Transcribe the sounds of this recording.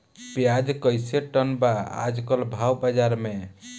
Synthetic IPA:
pjad͡ʒkəjseʈənbaa̰d͡ʒkəlbʱawbad͡ʒaɾme

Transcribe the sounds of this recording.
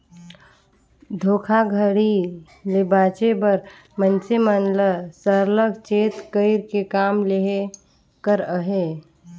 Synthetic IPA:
d̪ʱoːkʰaɡʱəɽi | lebaːt͡ʃebəɾ | mənsemənləsəɾləkt͡ʃeːt̪kəɪɾkekaːmleɦe | kəɾəɦe

